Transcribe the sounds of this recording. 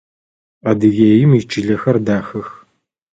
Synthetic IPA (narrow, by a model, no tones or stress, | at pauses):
ɐdɨɣeːjɪmit͡ʃʰʼɪɮɐxɐrdaːxɨx